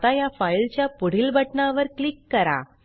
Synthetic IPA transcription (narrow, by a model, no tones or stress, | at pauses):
t̪ajafajlt͡ɕjapuɽ̤ilbʱəʈɳaʋəɾklikːəɾa̰